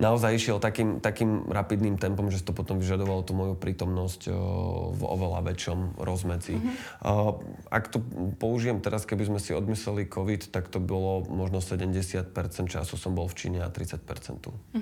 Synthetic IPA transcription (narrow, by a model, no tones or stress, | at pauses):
naɔzajiʃɪɛlt̪akiːmt̪akiːmɾapid̪nimt̪ɛmpɔmʒɛs̬t̪ɔpɔt̪ɔmʋiʒad̪ɔʋalɔt̪umɔjupɾʔiːt̪ɔmnɔsc | vɔ̰ʋɛla̰ʋɛt͡ʃɔmɾɔzmɛt͡si | a̰kt̪ɔpɔuʒijɛmt̪ɛɾaskɛbizmɛsiɔd̪mislɛlikʰɔʋit̪t̪akt̪ɔbɔlɔmɔʒnɔsɛɟɛmɟɛsɪat̪pɛɾt͡sɛnt̪̚t͡ʃa̰susɔmbɔlft͡ʃḭːɲɛa̰t̪ɾḭt͡sac̚pɛ̰ɾt͡sɛ̰nt̪ṵ